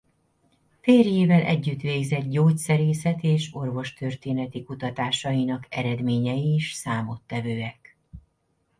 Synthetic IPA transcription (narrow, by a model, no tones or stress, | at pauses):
feːrjeːvɛlʔɛ̰ɟːyt̪ʋeːɡzɛɟ̪̚ɟoːcsɛɾeːsɛt̪eːʃo̞rvo̞ʃt̪ørt̪eːnɛt̪ikut̪ɒt̪aːʃɒjinɒkɛɾɛd̪meːɲɛjiːʃsaːmo̞t̪ːɛvøːɛk